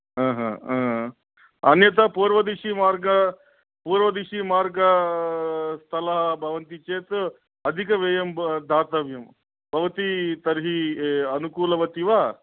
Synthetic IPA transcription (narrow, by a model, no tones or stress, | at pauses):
ɦãːɦã̰aːɦ | ɐnjɐt̪̬ɐpuːɾʋɐd̪iʃimaːɾɡɐ | puːɾʋɐd̪iʃimaːɾɡɐ | st̪ʰɐlɐɦɐbʱɐʋɐnt̪it͡ʃeːt̪ | ɐd̪ʱikɐʋeːjɐmd̪ʱaːt̪ɐʋjɐm | bʱɐʋɐt̪it̪ɐɾɦiɐnukuːlɐʋɐt̪iʋaː